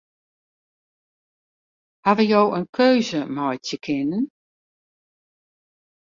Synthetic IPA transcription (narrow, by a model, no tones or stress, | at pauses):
havəjowənkʰøɥzəmɔjtəkʰɪnən